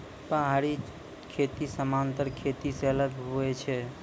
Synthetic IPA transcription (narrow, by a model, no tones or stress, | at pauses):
pəɦaɾi | kʰet̪isəmant̪əɾkʰet̪iseələɡɦuɛt͡ʃʰɛ